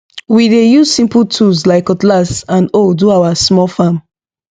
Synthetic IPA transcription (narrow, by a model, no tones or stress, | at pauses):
widejuzsĩmpltʰuslaɪkəklasãnoduawasmɔlfãm